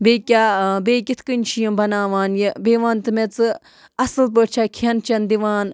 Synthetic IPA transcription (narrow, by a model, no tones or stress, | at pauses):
beːkʲabeːkʲit̪ʰkɨnʲt͡ʃʰijɐmbɐnaːʋaːnjibeːʋaːnt̪ɨmet͡sɨ | ɐsɨlp̬əʈt͡ʃʰakʰɐnt͡ʃɐnd̪iʋaːn